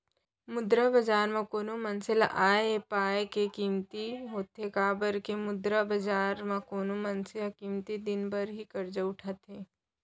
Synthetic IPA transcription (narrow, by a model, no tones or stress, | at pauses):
mʊd̪ɾabɐd͡ʒaːɾmãkoːnomɐnsɪlʔaːeepaːekekiːmt̪iɦoːt̪ekaːbəɾkemʊd̪ɾabɐd͡ʒaːɾmãkoːnomɐnsɪlakiːmt̪id̪ɪnbɐɾɦikɐɾd͡ʒaʊʈʰat̪ɦeː